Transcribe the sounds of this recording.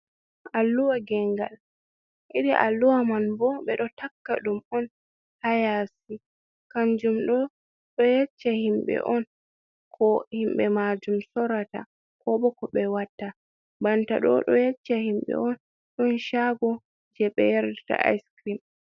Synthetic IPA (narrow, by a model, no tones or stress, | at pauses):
alːuwaɡɛŋɡa̰l | ʔiɾiʔa̰lːuwamanbɔɓɛɗɔtakːa̰ɗumɔn | hajasi | kaɲd͡ʒumɗɔ | ɗɔjɛt͡ʃːahimɓɛ̰ʔɔn | kʰɔhimɓɛmad͡ʒumsɔɾata̰ | kɔɓɔkɔɓɛwatːa | banta̰ɗɔ̰ɗɔ̰jɛt͡ʃːahimɓɛ̰ɔn | ɗɔnʃaɡɔ | d͡ʒɛɓɛ̰jaɾdɛta̰ʔa̰jskɾim